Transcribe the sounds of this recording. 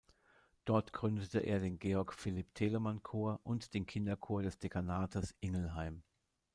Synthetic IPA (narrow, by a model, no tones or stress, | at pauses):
d̥ɔɐtɡ̥ʁʏndətəʔḛːɐdeːnɡeːɔɐkfɪlɪptʰeːləmankʰoːɐʔʊntd̥eːnkʰɪndɐkʰoːɐɾɛsd̥ekʰanaːtʰɐsʔɪŋl̩ɦaɪm